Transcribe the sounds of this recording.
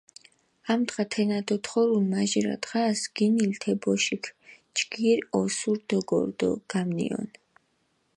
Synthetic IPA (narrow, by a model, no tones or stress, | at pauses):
amt̪ʁat̪ʰɛnad̪ɔt̪ʰχɔɾulmaʒiɾa̰t̪ʼχasɡ̥inilt̪ʰɛbɔʃikʰ | t͡ʃɡ̥iɾɔsuɾd̪ɔɡɔ̰ɾd̪ɔ̰ɡ̥amnḭɔ̰n